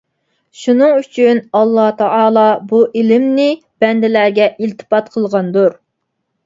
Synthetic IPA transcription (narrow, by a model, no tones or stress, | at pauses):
ʃunɨŋyt͡ʃʰynɑlˠːɑt̪ʰɑɑːlˠɑbuʔelɪmnɪ | b̥ɛnd̪ɪlæɾɡʲɛʔilt̪ʰɨ̥pɑt̪qʰəlˠʁɑnd̪uɾ